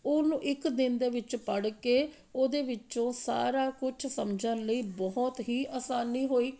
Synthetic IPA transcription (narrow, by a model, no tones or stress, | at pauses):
ʊnũːʔɪkd̪ɪnd̪eːʋɪt͡ʃpəɽkeː | oːd̪eːʋɪt͡ʃõːsa̰ːɾaːkʊt͡ʃʰsəmd͡ʒənləiːbɔɦɔt̪ɦiːʔaːsaːniːɦoːiː